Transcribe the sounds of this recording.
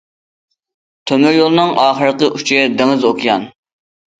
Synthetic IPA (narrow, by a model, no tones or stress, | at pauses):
t̪ʰømyɾjolˠɨnɨŋɑːχəɾəqəʔut͡ʃʰiɛd̪eŋɨzokʰijɑ̰n